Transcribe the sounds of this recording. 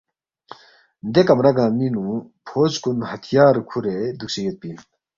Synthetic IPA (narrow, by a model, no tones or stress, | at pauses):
nd̪ekamɾaɡaminupʰoskunhat̪ʰjaɾəkʰuɾed̪uk̚ɕejət̪̚pi